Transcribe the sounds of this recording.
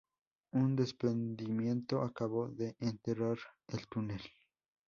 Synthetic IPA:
und̪e̞spɾend̪imjẽ̞nt̪o̞ʔakaβo̞ðe̞ʔːnt̪eɾaɾelt̪unel

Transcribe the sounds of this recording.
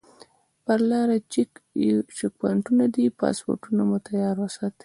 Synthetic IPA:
paɾlɑɾat͡ʃikt͡ʃɪk̚paɳʈunad̪ipɑ̰spo̰ɾʈunamʊt̪ajɑɾwasɑt̪

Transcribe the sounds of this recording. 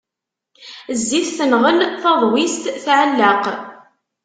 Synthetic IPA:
zːiθθənʁəlθɑðˤwist̪θʕəlːaq

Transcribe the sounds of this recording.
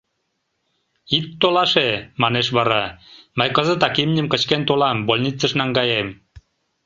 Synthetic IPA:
it̪ːolɑʃemɑneʃβɑɾɑmɤjkɤ̆zə̆t̪ɑkimnʲə̆mkə̆t͡ɕkent̪olɑmbolʲnʲit͡sːə̆ʃnɑŋɡɑjem

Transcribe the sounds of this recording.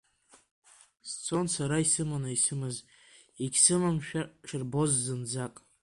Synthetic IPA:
st͡sʰo̞nsaɾaisɨmanaisɨmɨz | iɡʲsɨmamʃᶣaʃɪrbo̞zːɨnd͡zakʼ

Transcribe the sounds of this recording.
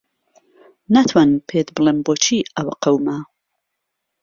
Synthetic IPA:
nat̪ʰwanpʰet̪bɨlˠemboːt͡ʃʰiːɐwaqɐwma

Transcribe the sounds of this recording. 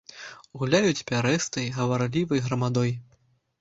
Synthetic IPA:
ɣulʲajut͡sʲpʲaɾɛst̪ɐjɣɐvarlʲivɐjɣɾɐmad̪ɔj

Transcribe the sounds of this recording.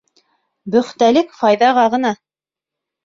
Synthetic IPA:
bɵ̆χt̪ælɘkfɑjðɑʁɑʁɤ̆nɑ

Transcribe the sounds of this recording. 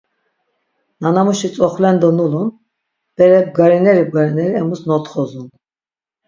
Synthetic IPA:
nanamuʃit͡sʼɔχlɛnd̪ɔnulun | b̥ɛɾɛb̚ɡaɾinɛɾib̚ɡaɾinɛɾiɛmusnɔt̪χɔzun

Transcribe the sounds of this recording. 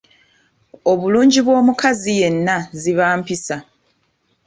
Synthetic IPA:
o̞βuluːɲɟiβwo̞ːmukazije̞nːaziβaːmpisa

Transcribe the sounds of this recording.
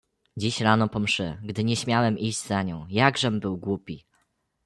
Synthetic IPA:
d͡ʑiɕɾanɔpɔmʂɘ̰ɡd̪ɘɲɛɕmʲjawɛmiʑd͡ʑzaɲɔ̃w̃jaɡʐɛmbɘwɡwupʲi

